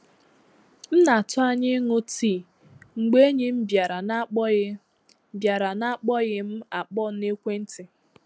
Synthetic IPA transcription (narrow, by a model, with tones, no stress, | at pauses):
n̩˦na˨tʊ˦a˦ɲɪ˦ŋʊ˦ti˦˨ | ŋ͡m̩˨ɡ͡be˦ɲɪ˦m̩˦ba˨ɾa˨na˦ | bja˨ɾa˨na˦˨k͡pɔ˦ɣɪ˦m̩˦a˨k͡pɔ˦ne˦kʷe˦n̩˦tɪ˨